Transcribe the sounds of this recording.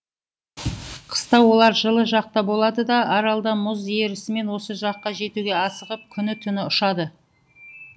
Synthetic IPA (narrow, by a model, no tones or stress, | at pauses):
qʰə̥st̪ɑwo̞lˠɑɾʒəlˠəʒɑq̚t̪ɑbo̞lˠɑd̪əd̪ɑʔɑɾɑlˠd̪ɑmʊze̞ɾɪsɪme̞nwo̞səʒɑqːɑʒe̞t̪uɡʲe̞ɑsəʁəp̚kʲʰʏnɪt̪ʰʏnɪʊʃɑd̪ə